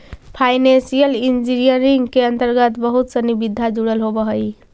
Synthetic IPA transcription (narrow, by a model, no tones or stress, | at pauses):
pʰaɪnẽnsijəlind͡ʒiɾijəɾiŋɡkeənt̪əɾɡət̪bəɦut̪sənibid̪ʱːad͡ʒuɽəlɦobəɦəj